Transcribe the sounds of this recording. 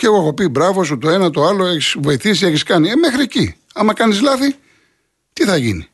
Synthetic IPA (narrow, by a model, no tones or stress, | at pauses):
ceeɣoexo̞pibɾɐvo̞sut̪o̞e̞nɐt̪o̞ɐlo̞e̞çisvo̞iθis̬ieçiskɐnieme̞xɾieci | ɐmɐkɐnizlɐθi | t̪iθɐʝḭnḭ